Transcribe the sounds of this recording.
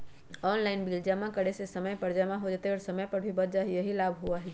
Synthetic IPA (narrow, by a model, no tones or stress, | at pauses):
ɔːnlaːɪnbiːld͡ʒamãkəɽesesɐməjpɐɾd͡ʒamãɦod͡ʒaːt̪eɔːɾsɐməjpɐɾbʱibɐɾd͡ʒaɦijɐɦilaːbʱɦuaɦɛ